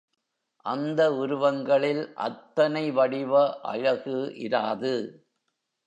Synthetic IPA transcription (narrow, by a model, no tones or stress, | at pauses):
ʔɐnd̪ɐʊɾʊʋɐŋɡɐɭɪlʔɐ̰t̪ːɐnɐɪʋɐɽɪʋɐʔɐ̰ɻɐɣɯʔɪ̰ɾaːðɯ